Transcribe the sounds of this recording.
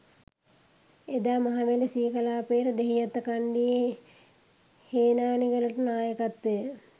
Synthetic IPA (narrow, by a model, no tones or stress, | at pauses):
ed̪aːmaɦaʋeləsiːkɐlaːpeːɾəd̪eɦijat̪ːəkaɳɖije | heːnaːniɡələʈənaːjəkat̪ʋejə